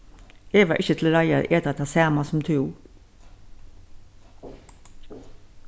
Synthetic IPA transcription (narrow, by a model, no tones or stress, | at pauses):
eːɡʋɑːʔɪçət̪ʰl̩ɾɑɪaʔeːt̪at̪ʰɑːsæːmɑsʊmt̪ʰʉː